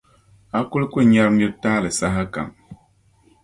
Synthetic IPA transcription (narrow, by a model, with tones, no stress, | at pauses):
a˦ku˦lkʷe˦˨ɲa˦ɾm˦jo˦taː˦le˨sa˦ɦa˦ka̰˨ŋ